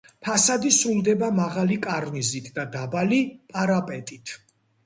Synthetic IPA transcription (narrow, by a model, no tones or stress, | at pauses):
pʰasad̪isɾulˠd̪ɛbamaʁalikʼaɾnizit̪ʰd̪ad̪abalipʼaɾapʼɛt̪ʼit̪ʰ